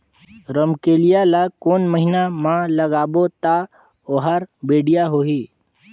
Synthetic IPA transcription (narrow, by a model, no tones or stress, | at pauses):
ɾəmkeːlijalakoːnməɦɪnamãləɡaːbot̪a | oɦaɾbeːɖijaɦoːɦiː